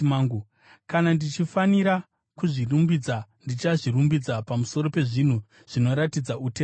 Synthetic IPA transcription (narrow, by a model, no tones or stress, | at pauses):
maɡu | kanandit͡ʃifaniɾa | kuʐirumbid͡zandit͡ʃaʐirumbid͡zapamuso̞ɾo̞pe̞ʐin̤u | ʐ̥ino̞ɾatid͡zaute